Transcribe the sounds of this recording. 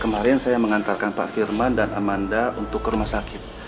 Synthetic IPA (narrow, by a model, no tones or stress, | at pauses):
kəmaɾɛnsajaməŋant̪arkanpa̰ʔfirmandanamandaunt̪ʊkːəɾumahsakɪt̪̚